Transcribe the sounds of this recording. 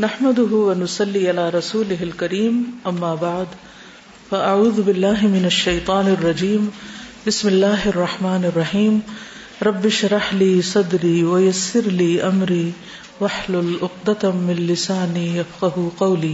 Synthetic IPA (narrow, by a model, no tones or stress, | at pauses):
naħmad̪ʊɦʊwɐnʊsɑlːiːʔalaːɾˤɑsuːlɪɦɪlkɐɾiːmʔɐmːaːbaʕd̪ | faʔaʕuːðʊbɪlːaːɦɪmɪnɐʃːɐjt̪ˤɑːnrˤːɑd͡ʒiːmbɪsmɪlːaːɦɪɑrˤːɑħmaːnɪrˤːɑħiːm | ɾˤɑbːɪʃɾˤɑħliːsˤɑd̪ɾiːwɐjɐsːɪɾliːʔɐmɾiː | wɐħlʊlʔʊqd̪at̪mɪnlɪsaːnijɐfqɑɦuqɐwliː